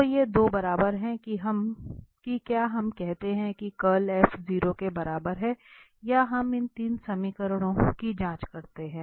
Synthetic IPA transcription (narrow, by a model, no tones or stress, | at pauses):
ojed̪oːbɐɾaːbəɾɦɛ̃kiɦɐmkikjaːɦɐmkɛɦt̪eɦɛ̃kikɐlɛːfziːɾokebɐɾaːbəɾɦɛ̃ː | jaɦɐmɪnt̪iːnsɐmikəɾɽ̃õkid͡ʒãːt͡ʃkɐɾt̪eɦɛ̃ː